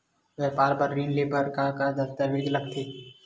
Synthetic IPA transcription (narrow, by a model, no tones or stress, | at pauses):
ʋɛːpaːɾbəɾːiːnleːbəɾkakad̪ɐt̪əɾʋeːɡlɐɡ̚t̪ʰeː